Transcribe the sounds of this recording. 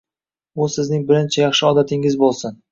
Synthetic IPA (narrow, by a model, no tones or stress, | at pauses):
ʊsɪznɪŋbɪɾɪnt͡ʃʰajɑχʃɪɒd̪at̪ʰɪŋɪzbolˠsɪn